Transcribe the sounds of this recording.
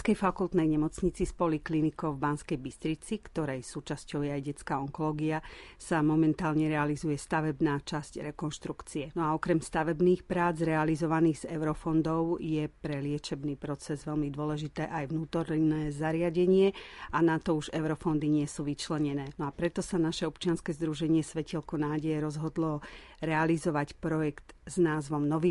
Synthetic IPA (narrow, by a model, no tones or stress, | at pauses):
skɛjfakulˠt̪nɛjɲɛmɔt͡sɲit͡sispɔliklinikɔʊvbanskɛjbist̪ɾit͡sikt̪ɔɾɛjsuːt͡ʃascɔʊjɛajɟɛt͡skaɔŋkɔlɔːɡiasamɔmɛnt̪aːlɲɛɾɛalizujɛst̪aʋɛbnaːt͡ʃascɾɛkɔnʃt̪ɾukt͡siɛnɔaɔkɾɛmst̪aʋɛbniːxpɾaːd͡zɾɛalizɔʋaniːɣz̥ɛʊɾɔfɔnd̪ɔʊjɛpɾɛlɪɛt͡ʃɛbniːpɾɔt͡sɛzʋɛlmid̪ʊɔlɛʒit̪ɛːʔajʋnuːt̪ɔɾnɛːzaɾɪaɟɛɲɪɛanat̪ɔuʒɛʊɾɔfɔnd̪iɲɪɛsuːʋit͡ʃlɛɲɛnɛːnɔapɾɛt̪ɔsanaʃɛɔpt͡ʃɪanskɛːzd̪ɾuʒɛɲɪɛsʋɛcɛlkɔnaːɟɛjɛɾɔzɦɔd̪lɔ | ɾɛalizɔʋacpɾɔjɛkt̪z̥naːzʋɔmnɔʋiː